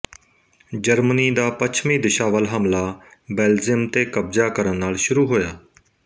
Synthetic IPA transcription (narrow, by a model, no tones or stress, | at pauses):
d͡ʒəɾməniːd̪aːpət͡ʃʰmĩːd̪ɪʃaːʋəlɦəmlaːbɛːld͡ʒɪmt̪eːkəb̚d͡ʒaːkəɾənːaːlʃʊɾuːɦoːjaː